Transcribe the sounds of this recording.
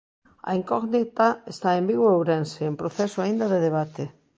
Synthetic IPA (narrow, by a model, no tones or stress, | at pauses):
ɐ̰iŋkɔɣnit̪aest̪aembiɣoowɾenseːmpɾoθesoaind̪ɐðeðeβat̪e